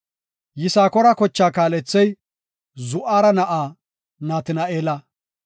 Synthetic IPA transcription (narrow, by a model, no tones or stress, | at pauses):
jɪsaːkɔɾɐkɔt͡ʃːaːkaːlɛt͡sːɛj | zʊʔaːɾɐnɐʔaː | naːt̪ɪnɐʔeːlɐ